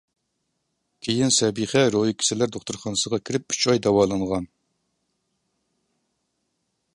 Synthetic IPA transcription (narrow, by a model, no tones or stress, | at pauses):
kʲʰijinsɛbiχɛɾojikʲʰi̥sɪlæɾd̪oχt̪uɾχɑnɨsəʁɑkʲʰiɾɪp̚y̥t͡ʃʰɑjd̪ɛwɑːlˠɑɴʁɑn